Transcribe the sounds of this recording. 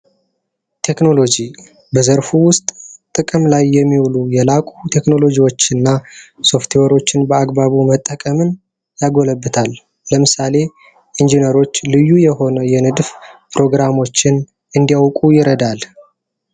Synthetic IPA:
t̪ʰe̞kno̞lo̞d͡ʒi | bəzəɾfuwʊst̪ʼt̪ʼɨkʼɨmlajːɛmːiwlujɛlakʼut̪ʰe̞kno̞lo̞d͡ʒiwo̞t͡ʃːɨnːaso̞ft̪ʰiwoɾo̞t͡ʃːɪnbəaɡbaβumət̪ʼːəkʼəmɨn | jaɡo̞ləbːɨt̪ʰalː | əmɨsale̞ | ʔind͡ʒinəɾo̞t͡ʃːlɨjːujɛho̞nəjɛnɨd̪fpʰɾo̞ɡɾamo̞t͡ʃːɪn | ʔɨnd̪ijawkʼujɪɾəd̪al

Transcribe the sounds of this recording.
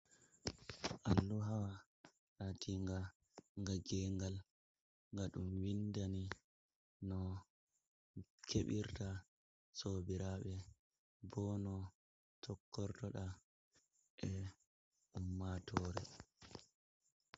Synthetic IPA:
ʔalːuɦawa | latʰiŋɡa | ŋɡaɡɛŋɡal | ŋɡaɗumwindani | nɔ | kʰeɓiɾta | soːbiɾaɓɛ | bɔnɔ | tʰɔkːɔɾtɔɗa | ʔɛ | umːatʰɔːɾɛ

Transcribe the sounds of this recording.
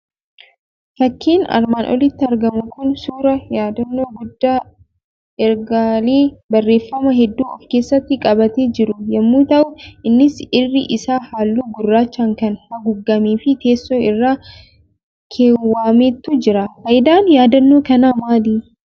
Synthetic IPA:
fɐkʰːiːnɐ̰ɾmaːnʔɔ̰lɪt̪ːɪɐɾɡɐmʊkʊnsuːɾɐjaːd̪ɐnːoːɡʊd̪ːaː | ʔɛɾɡaːliːbɐrːe̞ːfːɐmɐɦɛd̪ːuːɔfke̞ːsːɐt̪ːɪkʼɐbɐt̪eːd͡ʒɪɾʊjɐmːuːt̪ɐʔʊʔɪnːɪsɪrːɪʔɪsaːhaːlːuːɡʊrːaːt͡ʃːaːŋkɐnhɐɡʊɡːɐmiːfɪt̪e̞ːsːoːɪrːaː | kʰeːwːaːmeːt̪ːud͡ʒɪɾɐfɐjd̪aːnjaːd̪ɐnːoːkɐnaːmaːliː

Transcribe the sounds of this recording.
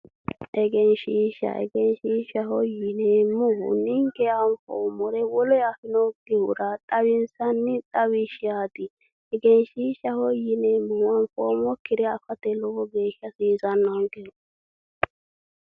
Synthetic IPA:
ʔɛɡɛnʃiːʃːɐ̰ʔɛ̰ɡɛnʃiːʃɐhɔjɪnɛmʊhʊ̰nɪŋkɛanfɔ̰mɔɾɛwɔlɔjafɪnɔɡ̥ɪhʊɾɐt̪ʼɐβɪnsɐnːɪt̪ʼɐwɪʃɪjaːt̪ɪ | ɛɡɛnʃiːʃːɐhɔjɪnɛmʊwɐnfoːmɔkːɪd̪ɛɐfɐt̪ɛlɔwɔɡeːʃːɐsiːzɐnːɐŋɡɪʊ

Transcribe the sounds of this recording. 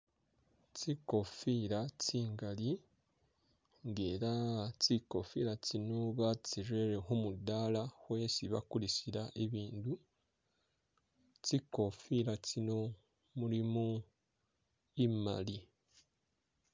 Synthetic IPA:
t͡siko̞fiɾat͡siːŋɡali | ŋɡeɾat͡sikofiɾat͡sinuβat͡siʒeɾeɦumudaːlahwe̞ːsiβa̰kulisiɾaʔeβiːndu | t͡siko̞fiɾat͡sino̞ | muɾimu | ima̰li

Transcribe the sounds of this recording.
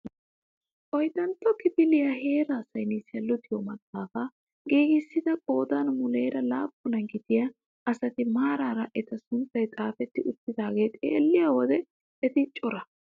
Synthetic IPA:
ʔɔjt̪ɐnt̪ːɔkɪpɪlɪjahe̞ːɾaːsɐjnisɪjɐlːɔt̪ɪjomɐt̪ʼːaːfɐ | ɡeːɡɪsːɪd̪ɐkʼo̞ːd̪ɐnmʊleːɾɐlaːpːʊnɐɡɪd̪ɪjɐ | ɐsɐt̪ɪmaːɾaɾɐʔɛt̪ɐsʊnt̪ːɐjt̪ʼaːfɛt̪ːɪʔʊt̪ːɪd̪aːɡe̞ːt̪ʼḛːlːɪjawɔd̪ɛ | ɛt̪ɪt͡ʃʼːɔɾɐ

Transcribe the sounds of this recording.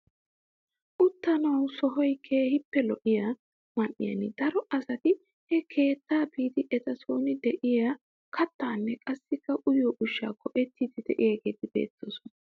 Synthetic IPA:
ʔʊt̪ːɐnɐwsɔɦɔjkʰeːhɪpːɛlɔʔɪja | mɐnʔɪ̰jɐ̰nɪd̪ɐɾɔʔɐsɐt̪ɪ | hɛkʰe̞ːt̪ːaːbiːt̪ɪʔɛt̪ɐso̞ːnɪd̪ɛʔɪja | kɐt̪ːaːnːɛkʼɐsːɪkːɐʔʊjoːʔʊʃːa̰ːkːɔʔɛt̪ːiːt̪ɪd̪ɛʔɪjaɡe̞ːt̪ɪb̥e̞̰ːt̪ːo̰ːsɔnɐ

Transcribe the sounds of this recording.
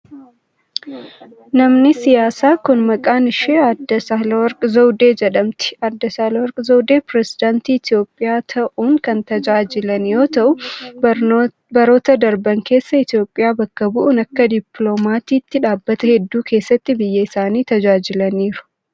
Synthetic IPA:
nɐmnɪsɪjaːsaːkʊnmɐkʼaːnɪʃeːɐd̪ːɐsaːlwɐɾkʼzɐwd̪e̞ːd͡ʒɛᶑɐmt̪ɪ̥ɐd̪ːɐsaːlɐwɐɾkʼzowd̪e̞ːpɾɛsɪd̪aːnt̪iːɪt̪ɪjo̞ːpʼːɪjaːt̪ʰɐʔuːŋkɐnt̪ɐd͡ʒaːd͡ʒɪlɐnjo̞ːt̪ɐʔʊ | bɐɾo̞ːt̪ɐd̪ɐɾbɐŋke̞ːsːɐɪt̪ijo̞ːpʼːɪjaːbɐkːɐbʊʔʊnɐkːɐd̪ɪploːmaːt̪iːt̪ːɪᶑaːbːɐt̪ɐhɛd̪ːuːkʰe̞ːsːɐt̪ːɪbɪjːɐɪsaːniːt̪ɐd͡ʒaːd͡ʒɪlɐniːɾʊ̥

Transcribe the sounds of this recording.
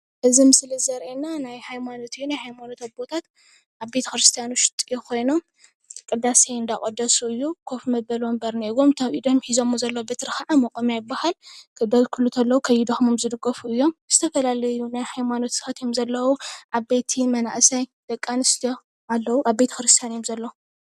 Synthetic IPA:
ʔɨzimɨsɨlɨzɐɾʔenːanajhajmano̞t̪ʰjunajhajmanot̪ʰabbo̞t̪ʰat̪ | ʔaβbet̪ʰɐ̥kɾɨst̪ʰijanuʃɨ̥t̪ʼijokʰo̞jnom | kʼɨd̪asejɨnd̪akʼɐd̪ɐsuɨjːukʰofmɐbɐlombɐɾneɡomt̪ʰaβʔid̪omħizo̞mːozɐlːɐwobet̪ʰɨɾɨxaʕamɐkʼomjajɪbːahalkʰɨd̪ɐzkʰulːut̪ʰɐlːɐwukʰɐjid̪oxmɨmzɨd̪ɨɡɐfuɨjːo̞mz̥ɨt̪ʰɐfɐlalɐjunajħajmano̞t̪sxɐt̪jomzɐlːɐwuʔaβbe̞t̪ʰimɐna̰ʔsajd̪̥ɐkʼːanɨst̪ʰijo | ʔalːɐwuʔaβbet̪ʰɐ̥xɾɨst̪ʰjanjomzɐlːɐwu

